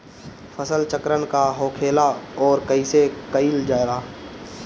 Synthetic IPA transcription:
fʰəsəlt͡ʃəkɾənkaɦoːkʰeːlaɔːɾkəisekəild͡ʒaːɪɾaː

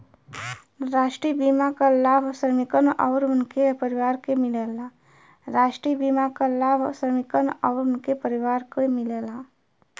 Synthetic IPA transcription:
ɾaːʃʈɾiːbimakalaːbʱsɾəmɪkənɔːɾʊnkepəɾiwaːɾkemɪlela | ɾaːʃʈɾiːbimakalaːbʱsɾəmɪkənɔːɾʊnkepəɾiwaːɾkemɪleːlaː

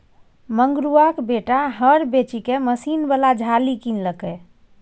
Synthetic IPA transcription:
məŋɡɾuakbeʈaɦəɾbet͡ʃikeməsinbalad͡ʒʱalikinləkɛ

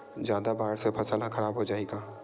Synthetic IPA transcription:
zjaːd̪abaːɾsepʰɐsaːlaxɐɾaːbɦod͡ʒaːeːɡaː

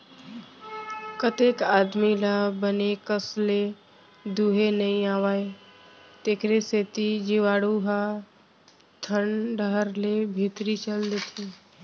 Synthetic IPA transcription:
kət̪ekaːd̪milabənekəsle | d̪uːɦenəɦĩaːʋaːe | t̪eːkɾeseːt̪id͡ʒɪʋaːɽuɦa | t̪ʰənɖəɦəɾlebʱit̪ɾit͡ʃəld̪et̪ʰiː

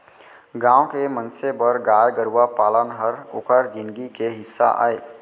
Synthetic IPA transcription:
ɡãːokemənsebəɾɡaːjɡəɾuwapaːlənɦəɾokəɾd͡ʒɪnɡikeɦɪsːa̰ʔa̰ːe

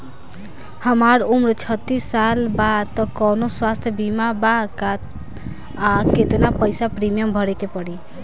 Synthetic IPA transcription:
həmaɾumɾt͡ʃʰʌt̪ːisːalbad̪̚t̪ɔkɔnoswast̪ʰjəbimabakat̪̚ | aket̪napəjsapɾimijəmbʱʌɾekepɔɽi

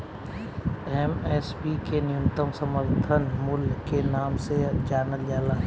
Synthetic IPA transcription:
ɛmɛːspikenɪjʊ̃nt̪əmsəməɾt̪ʰənmʊlkenaːmsed͡ʒaːɾnəljaːla

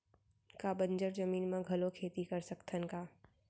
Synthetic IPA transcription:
kabɐ̃ɲd͡ʒəɾzɐmiːnmẽɡʱɐlokʰeːt̪ikɐɾsɐkt̪ʰənkaː

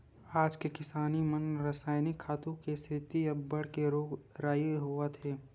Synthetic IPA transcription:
aːd͡ʒkekɪsaːnimənɾəsaːɪnɪkʰːaːt̪ũkest̪ʰɪt̪iɐbːɐɽ̤keɾoːɡɾaːjɦoat̪ʰeː

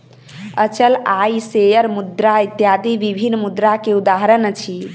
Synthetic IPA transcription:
ət͡ʃəlajsejəɾmud̪ɾait̪jad̪iʋibʱinmud̪ɾakeud̪aɦɾənt͡ʃʰi

